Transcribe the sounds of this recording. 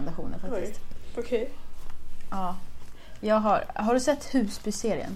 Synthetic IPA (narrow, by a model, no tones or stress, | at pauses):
d̪aɧuːnə̰nfaktɪst̪okʰɛ | ʔɑː | jɑːɡɦaɾɦaɖɵsɛt̪ːhʉ̟ːspʏseːɾɪə̰n